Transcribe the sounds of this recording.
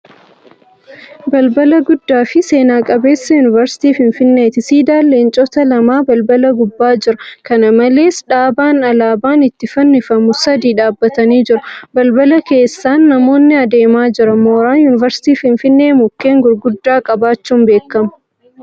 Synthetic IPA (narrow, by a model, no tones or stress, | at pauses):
bɐlbɐlɐɡʊd̪ːaːfɪse̞ːnaːkʼɐbe̞ːsːɐjʊnɪvɐɾsɪ̥t̪iːfɪnfɪnːeːt̪ɪsiːd̪aːlːeːnt͡ʃʼɔt̪ɐlɐmaːbɐlbɐlɐɡʊbːaːd͡ʒɪɾɐkɐnɐmɐle̞ːsᶑaːbaːnɐlaːbaːnɪt̪ːɪfɐnːɪfɐmʊsɐd̪iːᶑaːbːɐt̪ɐniːd͡ʒɪɾɐbɐlbɐlɐke̞ːsːaːnːɐmo̞ːnːɪɐd̪e̞ːmaːd͡ʒɪɾɐmoːɾaːnjʊnɪvɐɾsɪ̥t̪iːfɪnfɪnːe̞ːmʊkːe̞ːŋɡʊɾɡʊd̪ːaːkʼɐbaːt͡ʃːuːmbe̞ːkːɐmɐ̥